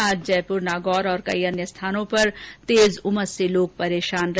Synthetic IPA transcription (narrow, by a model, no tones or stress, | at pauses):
aːd͡ʒd͡ʒɛːpʊɾnaːɡɔːɾɔːɾkɐ̰iɐnjəst̪ʰaːnõpɐɾt̪eːzʊməɾseloːɡ̚pɐɾeːʃaːnɾɐ